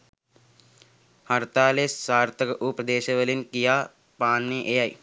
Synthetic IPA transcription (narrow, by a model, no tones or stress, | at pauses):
hɐɾt̪aːleːssaːɾt̪ʰɐkɐʔupɐd̪eːʃɐʋɐlinkijaː | paːnːeʔejɐj